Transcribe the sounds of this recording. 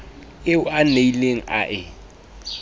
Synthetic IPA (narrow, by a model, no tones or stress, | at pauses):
ɪʊaneileŋ̩a̰ʔɪ